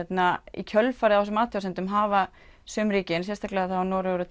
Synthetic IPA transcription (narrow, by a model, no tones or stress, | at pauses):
ɛt̪naḭcʰœlfaɾɪðawfɛs̬ʏmaːt̪ʰjawsɛnt̪ʏmɦaːva | sœːmɾiːcɪns̬jɛst̪ʰahklɛðaθawnɔːɾʏɾʏ